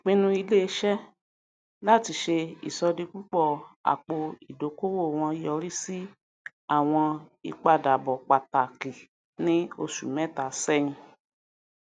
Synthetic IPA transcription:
k͡pĩ˦nũ˧i˧le˦˧˦ʃɛ˦ | la˦˨ti˧ʃe˧ḭ˨sɔ˧di˧k͡pu˦k͡pɔ˦˨a̰˨k͡po˧i˨do˨˦ko˦wo˦˨w̃ɔ̃˧jɔ˦˧ɾi˦si˦ | a˦˨w̃ɔ̃˧i˧k͡pa˧˨da˨bɔ˨k͡pa˨ta˨ki˨ | nĩ˦o˧ʃṵ˨mɛ̃˦ta˨sɛ˦ĩ˧

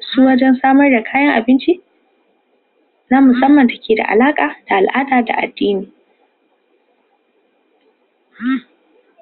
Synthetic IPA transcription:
suː˦wɐ˦d͡ʒɛ˦nsaː˦mɐ˦rda˨kʰaː˦jɐ˦ŋʔa˨bɪ˦nt͡ʃi˦ | naː˦mʊ˨sɐ˦mːɐ˨nta˨kʲʰeː˨da̰˨ʔa̰˨laː˦kʼaː˨d̥a˨ʔa˨lʔaː˦daː˨da̰˨ʔa̰˨dːiː˦niː˨

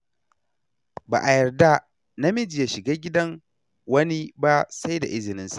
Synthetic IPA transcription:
ba̰ː˨ʔa˨jɐ˨rda˦ | na˦mɪ˦d͡ʒɪ˨ja˨ʃɪ˨ɡaː˦ɡʲɪ˦dɐ˦ŋ | wɐ˦ni˦ba˦sa˦jda̰˨ʔɪ˦zɪ˨nɪ˦nsḁ˨ʔ

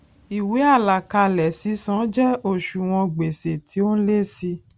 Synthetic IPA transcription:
i˨we˨˦a˦˨la˨ka˧lɛ˨si˨˦sã˨˦d͡ʒɛ˦o˦˨ʃu˨w̃ɔ̃˧ɡ͡be˨se˨tʰi˨˦o˦n̩˦le˦si˧˦

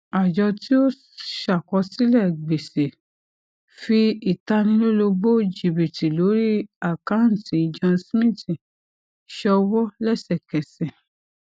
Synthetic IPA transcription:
a˨d͡ʒɔ˧ti˦o˦ | ʃa˨kɔ˧si˦lɛ˦˨ɡ͡be˨se˨ | fi˧i˨ta˧˦nĩ˧lo˦lo˧bo˦˨d͡ʒi˨bi˨ti˨lo˨˦ɾi˦a˦˨kã˦n˨ti˨d͡ʒɔ̃˧smĩ˦˨tĩ˨ | ʃɔ˧wɔ˦lɛ˦˨sɛ˨kɛ˨sɛ̃˨

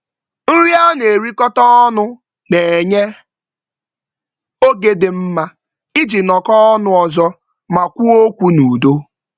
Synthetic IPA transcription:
n̩˦ɾi˦a˦ne˨ɾi˦kɔ˦tɔ˦ɔ˦nʊ˦ | ne˨e˨ɲe˦ | o˦ɡe˨dɪ˨m̩˦ma˦ | i˦d͡ʒi˨nɔ˨kɔ˦ɔ˦nʊ˦ɔ˨zɔ˦ | ma˨kʷu˦o˦kʷu˦nu˨do˦

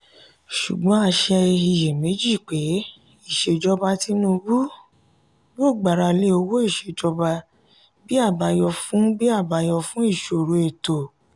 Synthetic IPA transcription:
ʃṵ˨ɡ͡bɔ̃˨˦a˧ʃɛ˧i˨je˨me˨˦d͡ʒi˦˨k͡pe˨˦ | i˦˨ʃe˧d͡ʒɔ˧ba˧ti˧˦nũ˧bu˦ | bo˦˨ɡ͡ba˨ɾa˧le˧˦o˧wo˦i˦˨ʃe˧˨d͡ʒɔ˧ba˧ | bi˦a˦˨ba˧jɔ˧fũ˨˦bi˦a˦˨ba˧jɔ˧fũ˦i˦˨ʃo˨ɾo˨e˨to˨

